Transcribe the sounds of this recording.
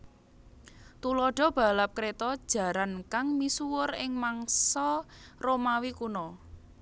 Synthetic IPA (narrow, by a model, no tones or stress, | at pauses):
t̪ulɔɖ̥ɔ̤b̥a̤lap̚kɾet̪ɔd̥ʒ̥ä̤ɾankaŋmisuwʊrɪŋmaŋsɔromawikunɔ